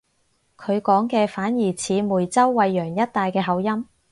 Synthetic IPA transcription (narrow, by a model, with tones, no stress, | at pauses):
kʰɵ˨˧ɥkɔː˨˥ŋkɛː˧faː˨˥njiː˨˩t͡sʰiː˨˧muː˨˩jt͡sɐ˥wːɐ˨˧jːœː˨˩ŋjɐ˥t̚t̪aː˧jkɛː˧ɦɐ˨˧wjɐ˥m